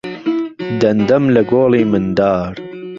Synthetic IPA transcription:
d̪ɐnd̪ɐmlɐɡoːliːmɨnd̪aːɾ

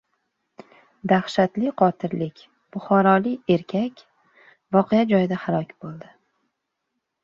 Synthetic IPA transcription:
d̪aχʃat̪lɪqʰɒt̪ʰɪɾlɪkʲ | b̥ʊχɒɾɒlɪe̞ɾkʲʰakʲ | vɒqʰejad͡ʒɒjɪd̪ahalˠɒkʲb̥olˠd̪ɪ

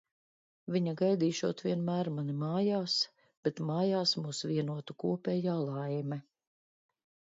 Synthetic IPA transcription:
viɲaɡajd̪iːʃuɔt̪vʲiɛnmæːɾmanimaːjaːs | b̥ɛt̪maːjaːsmuːsviɛnuɔt̪ukuɔpɛːjaːlˠajmɛ

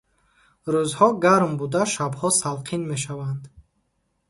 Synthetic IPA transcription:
ɾuzhɔɡaɾmbud̪aʃabhɔsalqʰinme̞ʃ̬avand̪

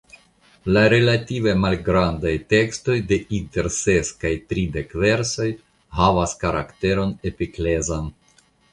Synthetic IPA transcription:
laɾe̞lative̞malɡɾandajte̞ksto̞jde̞ʔinte̞ɾse̞skajtɾide̞kve̞ɾso̞j | havaskaɾa̰kte̞ɾo̞ne̞pikle̞zan

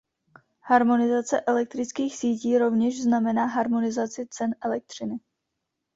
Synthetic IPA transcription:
haɾmo̞nɪzat͡sɛʔɛlɛk̚t̪ɾɪt͡skiːxsiːciːɾo̞vɲɛʒznamɛnaːɦaɾmo̞nɪzat͡sɪt͡sɛnʔɛlɛk̚t̪r̝̥ɪnɪ

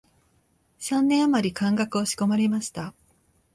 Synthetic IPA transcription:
sãnːẽ̞ɰamaɾʲikãŋɡakɯo̞ɕi̥ko̞maɾʲemaɕi̥t̪a

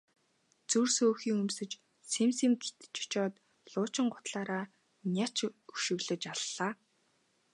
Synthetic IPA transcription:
t͡sursoːxiːŋɵmsɘ̆t͡ɕ | semsĭŋɡet̪t͡ɕʊ̥t͡ɕɔːt̪ | ɮʊːt͡ɕɪ̆ɴɢʊ̥t̪ɮaːɾaː | nʲat͡ɕɵʃɪ̆ɣɮɘ̆t͡ɕaɮːaː

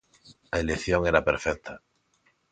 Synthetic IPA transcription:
aelekθjoŋeɾapeɾfɛk̚t̪ʰa

